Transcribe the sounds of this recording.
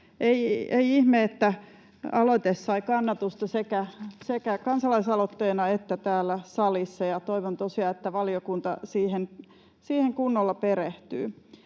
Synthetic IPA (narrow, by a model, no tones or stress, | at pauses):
ʔeieiihmeet̪ːæ | ɑlot̪esːɑikɑnːɑt̪ust̪ɑsekæsekækɑnsɑlɑisɑlot̪ːeːnɑet̪ːæt̪æːlːˑæsɑlisːɑjɑt̪oiʋont̪osiɑet̪ːæʋɑliokunt̪ɑ̰siːhen | siːheŋkunːolːɑpereht̪y̰ː